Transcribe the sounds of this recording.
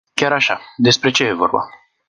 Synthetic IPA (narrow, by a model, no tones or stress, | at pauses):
kʲjaɾaʃad̪e̞spɾe̞t͡ʃe̞jevo̞̰rba̰